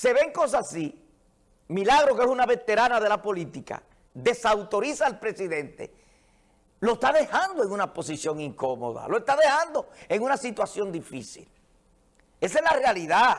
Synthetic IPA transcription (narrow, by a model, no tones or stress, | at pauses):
se̞βe̞ŋko̞s̬aasi | milaɣ̞ɾo̞keesunaβe̞t̪e̞ɾanaðe̞lapo̞lit̪ika̰ | d̪e̞sawt̪o̞ɾisaelpɾe̞siðe̞nt̪e̞̰ | lo̞est̪aðe̞hand̪oe̞ŋunapo̞sisjo̞ŋiŋko̞mo̰ða̰loest̪aðe̞hand̪o̞e̞ŋunasit̪wasjo̞nd̪ifisḭl | e̞sezlarealiða